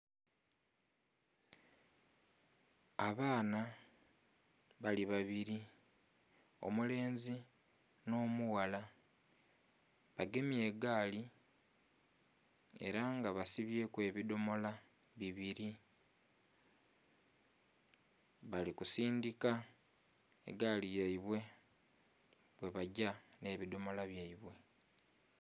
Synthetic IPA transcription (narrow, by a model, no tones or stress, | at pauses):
aβaːna | βaliβaβiɾi | o̞̰mule̞ːnzi | no̞ːmuwala | βaɡe̞mje̞ːɡaːli | e̞̰ɾaŋɡaβasiβje̞ːkwe̞βido̞mo̞la | βiβiɾi | βalikusiːndika | e̞̰ɡaːlijaiβwe̞ | βwe̞βaɟane̞ːβido̞mo̞laβjaiβwe̞